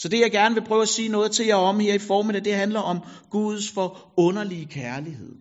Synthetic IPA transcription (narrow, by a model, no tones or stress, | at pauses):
sɒ̽d̥e̝jɑɪɡ̥æɐnəʋe̝pʰʁœːʊæsiːnɔ̽ːð̞̩ˠt͡sʰe̝ljɑɒ̽mheɐ̰ifɒːmidˠɛæɪd̥e̝ɦænlɐʔɒ̽mɡ̥uð̞̩ˠsfɒ̽ | ɔ̽nɐliəkʰæɐlihe̝ð̞̰ˠ